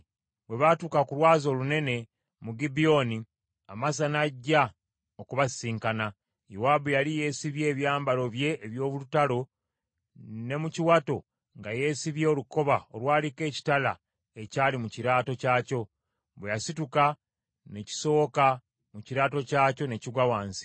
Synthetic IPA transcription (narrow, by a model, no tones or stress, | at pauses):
βwe̞βatukakuɾwaːzo̞ːlune̞ne̞ | muɡibio̞ni | amas̬anaɟːa | okuβasiːŋkana | jowabujalije̞ːsiβje̞ːβjaːmbalo̞βje̞ʔːβjo̞ːβulutalo̞ | ne̞muciwato̞ | ŋɡaje̞ːsiβje̞ːluko̞βao̰lwaːlike̞ːci̥tala | e̞caːlimuciɾaːto̞caːco̞ | βwejasituka | ne̞ci̥so̞ːka | muciɾaːto̞caːco̞ne̞ciɡwawaːnsi̥